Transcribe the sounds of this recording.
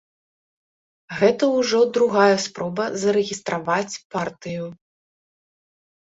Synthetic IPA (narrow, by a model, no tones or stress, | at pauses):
ɣɛt̪ɐwʐɔd̪ɾuɣajɛspɾɔbɐzɐɾɛɣʲist̪ɾavat͡sʲpart̪ɨju